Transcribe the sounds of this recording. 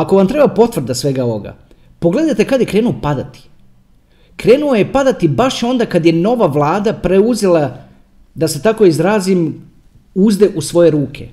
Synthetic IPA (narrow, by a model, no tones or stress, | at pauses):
ako̞ʋamt̪ɾe̞bapo̞t̪ʋr̩d̪asʋe̞ɡaooɡa̰ | po̞ɡle̞d̪ajt̪e̞kad̪jekɾe̞ːnuopad̪at̪i̥ | kɾe̞ːnuojepad̪at̪ibaʃo̞nd̪akad̪je̞no̞ʋaʋlˠaːd̪apɾeuzelˠa | d̪ase̞t̪ako̞izɾaːzim | uzd̪e̞ʔusʋo̞je̞ɾuːkʰe̞̰